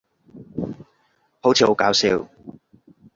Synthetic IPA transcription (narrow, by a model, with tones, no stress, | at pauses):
ho˨˥wt͡sʰiː˨˩ho˨˥wkaː˨˥wsḭː˧w